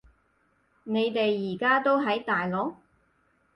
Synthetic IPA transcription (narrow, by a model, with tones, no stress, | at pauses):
ne˨˧jt̪e˨jːiː˨˩kaː˥t̪o˥wɦɐ˨˥jt̪aː˨jlɔː˨˥k̚